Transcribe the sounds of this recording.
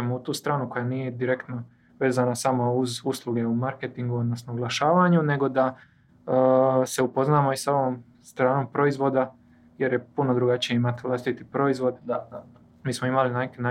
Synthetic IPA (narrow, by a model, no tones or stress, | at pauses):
emout̪uːst̪ɾaːnuko̞janiːje̞d̪iɾe̞kt̪no | ʋe̞ːzanasamo̞uzuslˠuɡe̞umaɾket̪iŋɡuod̪no̞snoɡlaʃaːʋaɲune̞ɡo̞d̪a | se̞upo̞znaːmo̞isaoʋom | st̪ɾaːno̞ːmpɾo̞izʋo̞d̪a | je̞ɾje̞puno̞d̪ɾuɡat͡ɕije̞imat̪iʋlaːst̪it̪ipɾo̞izʋo̞d̪ | miːsmoimalinakena